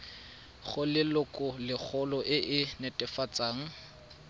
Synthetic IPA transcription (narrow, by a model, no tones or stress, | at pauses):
χʊlɪlʊkʼɔlɪk͡xʰɔlɔʔɪʔɪnɛtʼɛfat͡sʼaːŋ̩